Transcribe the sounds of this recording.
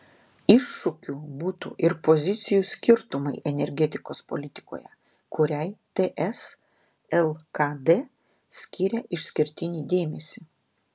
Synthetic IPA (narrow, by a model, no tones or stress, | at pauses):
ɪʃːʊkʲuːbuːt̪ṵːʔɪɾpozʲɪt̪sʲɪjuːˑsʲkʲɪɾt̪ʊmɐɪʔɛnʲɛɾʲɡʲɛt̪ʲɪkoːspo̰lʲɪt̪ʲɪ̥ko̰ːjɛ̰ | kʊɾʲɛɪt̪eʔɛs | ɛlˠkɐd̪e | sʲkʲɪːɾʲɛʔɪʃʲsʲkʲɪɾʲt̪ʲɪnʲiːd̪ʲeːmʲɛsʲi